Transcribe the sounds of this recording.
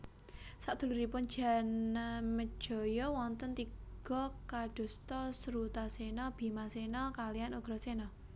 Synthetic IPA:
saʔd̪̥ṳluɾipʊn̥d͡ʒ̥a̤namə̥ʒ̥ɔ̤jɔwɔnt̪ənt̪iɡ̥ɔkaɖ̥o̤st̪ɔsɾut̪asenɔb̥i̤masenɔkalijanuɡ̥ɾɔ̤senɔ

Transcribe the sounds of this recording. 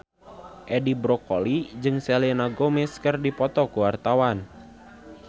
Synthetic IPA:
ʔɛdibɾɔkolid͡ʒɨŋsɛlinaɡomɛskərdipɔt̪ɔkuwart̪awan

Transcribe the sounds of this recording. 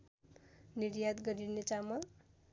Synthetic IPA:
niɾjad̪ɡʌɾinet͡samʌl

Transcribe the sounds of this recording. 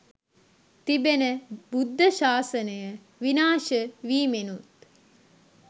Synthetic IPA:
t̪ibenəbud̪ʱːəʃaːsənəjə | ʋinaːʃəʋiːmenut̪

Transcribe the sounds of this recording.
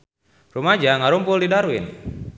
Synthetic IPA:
rumad͡ʒaŋaɾumpʊldidaɾuin

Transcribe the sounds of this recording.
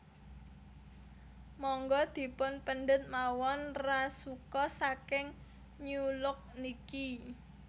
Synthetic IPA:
mɔŋɡɔd̪̥i̤pʊnpənɖət̪̚mawɔnrasukɔsakɪŋ | ɲulʊk̚niki

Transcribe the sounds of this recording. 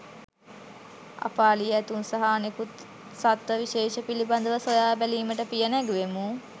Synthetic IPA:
a̰paːlijəæt̪unsaɦaːnekut̪ | sat̪ʋəʋiʃeːʃəpiliband̪əʋəsojaːbæliːməʈəpijənæɡuʋemu

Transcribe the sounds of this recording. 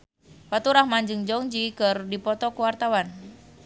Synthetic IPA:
wat̪uɾahmaɲd͡ʒɨŋd͡ʒɔŋd͡ʒikɨrdipɔt̪ɔkuwart̪awan

